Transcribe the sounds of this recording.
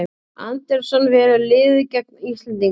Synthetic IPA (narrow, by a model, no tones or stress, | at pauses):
a̰nt̪ɛɾsɔnvɛːɾʏlɪːðʏcɛk̚nist̪lɛnt̪iŋ